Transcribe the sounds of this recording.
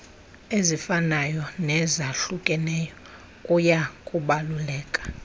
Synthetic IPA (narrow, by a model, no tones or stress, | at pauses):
ezifanajɔnɛzaɬukʼɛnɛːjɔ | kʼujakʼuɓalulɛːkʼḁ